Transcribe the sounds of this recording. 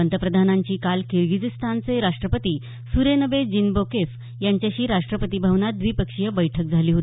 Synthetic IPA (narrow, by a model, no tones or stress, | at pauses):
ənt̪əpɾəd̪ʱanaɲt͡ɕiːkalkiɾɡid͡zist̪ʰant͡seɾaʂʈɾəpət̪iː | suɾenəʋed͡ʑinbokef | jaɲt͡ɕjaɕiːɾaʂʈɾəpət̪iːbʱəʋnad̪ʋiːpəkʂijəbəjʈʰək̚d͡zʱaliːɦot̪i